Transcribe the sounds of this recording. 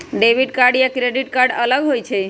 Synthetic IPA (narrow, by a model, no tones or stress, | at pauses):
ɖeʋiɖkaɾɖjakɾeɖiʈkaɾɖələɡɦojt͡ʃʰe